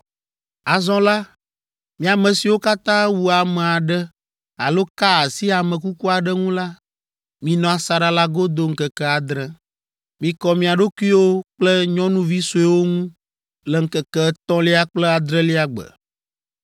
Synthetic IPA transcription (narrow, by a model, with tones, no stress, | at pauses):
a˨zɔ̃˦la˦ | mĩ˦a˨mɛ̃˨si˨wo˦ka˦t̪ã˦wu˦a˨mɛ̃˨a˨ɖɛ˦ | a̰˨lo˦ka˦a˨si˦a˨mɛ̃˨k̬u˦ku˦a˨ɖɛ˦ŋũ˦la˦ | mĩ˨nɔ̃˨a˨sa˨ɖa˨la˦ɡo˦d̪o˦ŋ̩˦kɛ˨kɛ˦a˨d̪ɾɛ̃˨ | mĩ˨kɔ˨mĩ˨a˨ɖo˦ku˦i˦wo˦k͡plɛ˦ɲɔ̃˦nũ˦vi˦so˨ɛ˦wo˦ŋũ˦ | lɛ˨ŋ̩˦kɛ˨kɛ˦t̪ɔ̃˦li˦a˦k͡plɛ˦a˨d̪ɾɛ̃˦li˦a˨ɡ͡bə̰˨